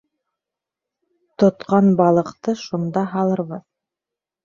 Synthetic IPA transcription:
t̪ŏt̪qɑnbɑlˠɤ̆qt̪ɤʃund̪ɑɦɑlˠɤ̆ɾʁɤð

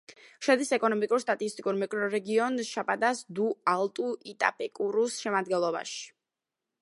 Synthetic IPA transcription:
ʃad̪isɛkʼɔnɔmikʼuɾst̪ʼat̪ʼist̪ʼikʼuɾmɛkʼɾɔɾɛɡiɔnʃapʼad̪asd̪ualˠt̪ʼuʔit̪ʼa̰pʼɛkʼuɾusʃɛmad̪ɡɛnlˠɔba̰ʃi̥

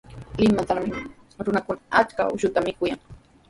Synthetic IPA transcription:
lɪmat̪aɾmɪ | ɾʊnakʊnaat͡ʃka̰ʊ̰ʃʊt̪amɪkʊjaŋ

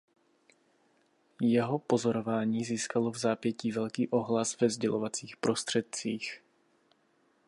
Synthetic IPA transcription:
jɛɦo̞po̞zo̞ɾovaːɲiːziːskalovzaːpjɛciːvɛlkiːʔo̞ɦlasvɛvzɟɛlʔovat͡siːxpɾo̞st̪r̥ɛt̪̚t͡siːx

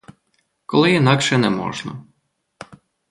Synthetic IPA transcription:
kɔlˠɪinɑkʃɛnɛmɔ̰ʒnɐ̰

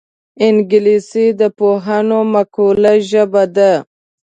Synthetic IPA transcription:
ɪnɡɪlisid̪əpoɦanomakulaʒəbad̪a

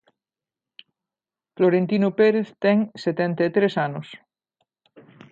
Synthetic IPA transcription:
floɾent̪inopeɾeθt̪ɛŋset̪ẽnt̪at̪ɾesanos

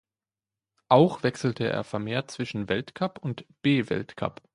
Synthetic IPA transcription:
ʔaʊxv̥ɛksl̩tʰəʔḛːɐfɛɐmeːɐt̚t͡sv̥ɪʃn̩vɛltkʰapʊntb̥eːvɛ̰ltkʰa̰p

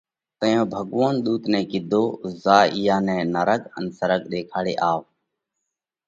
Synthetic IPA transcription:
t̪əjõːbʱəɠʋoːnɗ̪uːt̪nɛ̃ːkɪd̪ʱoːzaːiːjaːnɛ̃ːnəɾəɠə̰nsəɾəɠɗeːkʰaːɽḛːʔaːʋ

